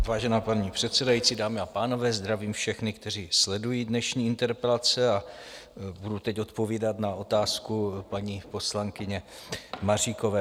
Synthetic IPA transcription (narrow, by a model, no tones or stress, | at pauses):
vaːʒɛnaːpaɲiːpr̝̥ɛt̪sɛdajit͡siːdaːmɪapaːno̞vɛːzd̪ɾaviːmfʃɛxnɪkt̪ɛr̝iːslɛdujiːdnɛʃɲiːɪnt̪ɛɾpɛlat͡sɛa | budut̪ɛco̞t̪po̞viːdat̪nao̞t̪aːskupaɲiːpo̞slaŋkɪɲɛmariːko̞vɛː